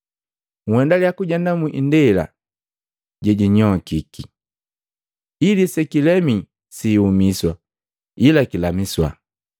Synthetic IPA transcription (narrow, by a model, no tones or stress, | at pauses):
ŋ̩wɛndaljakuɟandamuʔindɛla̰ | ɟɛɟiɲɔkiki | ilisɛkilɛmi | siːumiswa | ilakilamiswa̰